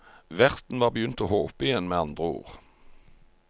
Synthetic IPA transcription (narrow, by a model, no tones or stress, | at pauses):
ʋæʁt̪n̩ʋɑːʁbəjʏnt̪oːhoːpəɪjɛnmeːɑnd̪ʁəṵːʁ